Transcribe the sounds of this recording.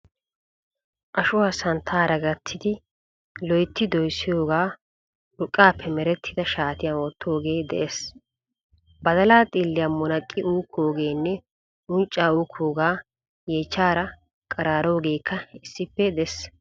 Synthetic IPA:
ʔɐʃʊwaːsɐnt̪ʰaːɾɐɡɐt̪ʰːɪd̪ɪ | lɔjt̪ːɪd̪ɔjsːɪjo̞ːɡaː | ɾʊkʼːaːpːɛmɛɾɛt̪ʰːɪd̪ɐʃaːt̪ɪjaːnwɔt̪ʰːo̞ːɡe̞ːd̪ɛ̰ʔes | bɐd̪ɐlaːt̪ʼɪlːɪjɐmɔnɐkʼːɪuːkʰːoːɡe̞ːnːɛ | ʊnt͡ʃʼːaːuːkʰːoːɡaː | jeːt͡ʃːaːɾɐ | kʼɐɾaːɾo̞ːɡe̞ːkʰːɐɪsːɪpːɛd̪ɛs

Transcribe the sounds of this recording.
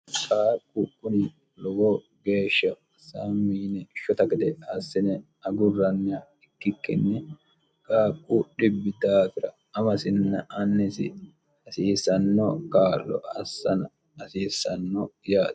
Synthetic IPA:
kʼaːkʼʊkʼːʊnɪ | lɔwɔ | ɡe̞ːʃːɐ | samːiːnɛʃɔt̪ɐɡɪd̪ɛɐsːɪnɛ | ɐɡʊrɐnːɪa | ɪkːɪkːɪ̰nːɛ | kʼaːkʼʊɗɪbːɪd̪aːt̪ɪɾɐ | ɐmɐsɪnːɐʔɐnːɛsɪ̰ | ɐsiːsɐnːɔkaːlːɔ̰ɐsːɐnɐ | ɐsiːsːɐnːɔjaː

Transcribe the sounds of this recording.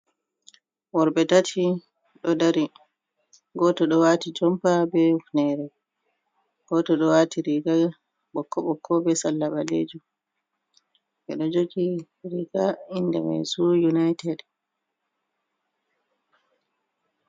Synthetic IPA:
wɔɾbɛtatʰi | ɗɔdaɾi | ɡɔtɔɗɔwatid͡ʒɔmpabɛufnɛɾɛ | ɡ̥ɔtɔɗɔwatʰiɾiɡa | ɓɔkːɔɓɔkʰːɔbɛsalːaɓalḛd͡ʒu | ʔɛ̰ɗɔd͡ʒoɡi | ɾiɡainːdɛ̰ma̰jsujunajtɛd

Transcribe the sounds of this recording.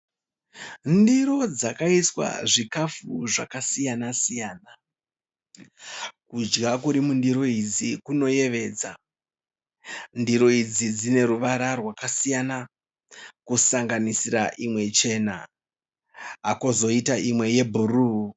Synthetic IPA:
ndiɾo̞d͡zakaiswa̰ʐikafuʐakasijanasijaːna | kud͡ʒɡak̬uɾimundiɾo̞id͡zikuno̞je̞ʋe̞ːd͡za | ndiɾo̞id͡zid͡zine̞ɾuʋaɾarwakasijana | kusaŋɡanisiɾaʔimwe̞t͡ʃe̞na̰ | ɦakozo̞itaʔimwe̞je̞bʱuruː

